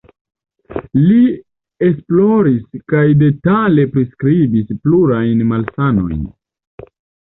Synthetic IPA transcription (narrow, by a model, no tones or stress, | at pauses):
li | e̞splo̞ɾiskajde̞tale̞pɾiskɾibispluɾajnmalsano̞̰jn